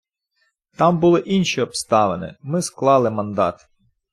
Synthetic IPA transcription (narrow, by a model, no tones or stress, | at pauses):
t̪ɑmbʊlˠɪʔinʃiɔpst̪ɑʋenɪ̰mɪsklˠɑlˠɪmɐnd̪ɑ̰t̪